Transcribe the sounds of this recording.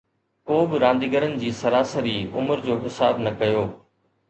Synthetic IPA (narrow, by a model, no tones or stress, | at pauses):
koːbɪɾãːnd̪iːɡəɾənɪ̆d͡ʑiːsɐɾaːsəɾiːʊ̰məɾd͡ʑoːɦɪsaːbnɐkɐjoː